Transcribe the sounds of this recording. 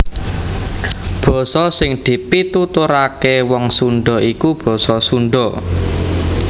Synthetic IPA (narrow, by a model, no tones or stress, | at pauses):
b̥ɔ̤sɔsɪŋd̪̥i̤pit̪ut̪uɾakewɔŋsuɳɖɔikub̥ɔ̤sɔsunɳɖɔ